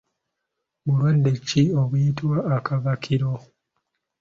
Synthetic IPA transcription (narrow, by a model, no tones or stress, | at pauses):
βuɾwandecioβujitwaːkavakʰiɾo